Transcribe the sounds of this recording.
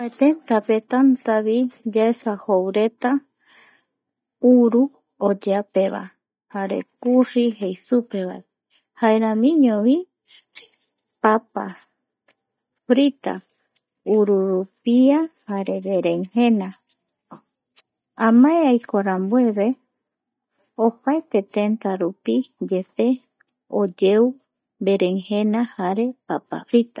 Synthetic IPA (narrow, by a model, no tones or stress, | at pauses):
et̪ent̪apet̪ant̪aβid͡ʒaesahowɾe̞t̪a | uɾu | od͡ʒapeβa̰ | haɾḛkuriɦejsupeβae | haeɾãmĩɲõβi | papa̰ | fɾit̪a̰ | uɾuɾupiahaɾe̞ɾeɾeŋhẽ̞na | ãmãeajkʰoɾambwe̞βe̞ | opaet̪e̞t̪e̞nt̪aɾupid͡ʒet̪e̞ | od͡ʒeu | mbe̞ɾeŋhẽnãhaɾe̞papa̰fɾit̪ḁ